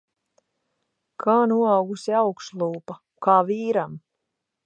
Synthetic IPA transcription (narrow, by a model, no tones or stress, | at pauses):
kʰaːnuɔawɡusiawkslˠuːpa | kaːviːɾam